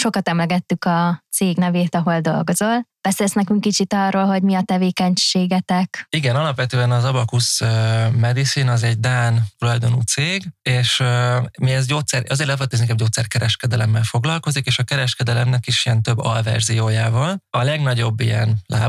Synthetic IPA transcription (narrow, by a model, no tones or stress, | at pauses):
ʃo̞kɒt̪ɛmlɛɡɛt̪ːykɒt̪seːɡnɛveːt̪ɒɦo̞ld̪o̞̰lɡo̞zo̞lb̥ɛselsnɛkyŋkːit͡ʃit̪ɒroːlɦo̞ɟmiɒt̪ɛveːkɛɲʃeːɡɛt̪ɛkiɡɛnɒlɒpvʋɛt̪øːɛnɒzɒbɒkusmɛd̪isinɒzɛɟd̪aːnt̪ulɒjd̪o̞nuːt̪seːɡeːʃmiɛzɟoːt̪sɛɾɒzeːɾlɛfɛt̪ːinnkɛmɟoːt̪sɛrkɛɾɛʃkɛd̪ɛlɛmːɛlfo̞ɡlɒlko̞zikeːʃɒkɛɾɛʃkɛd̪ɛlɛmnɛkiʃijɛnt̪ø̞bːɒ̰lvɛ̰rzijoːjaːvɒlɒlɛɡnɒɟo̞bːijɛ̰nlʔa̰ː